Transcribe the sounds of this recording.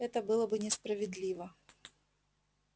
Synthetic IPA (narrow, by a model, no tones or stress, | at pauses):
ɛt̪əbɨlˠəbɨnʲɪspɾəvʲɪd̪lʲivə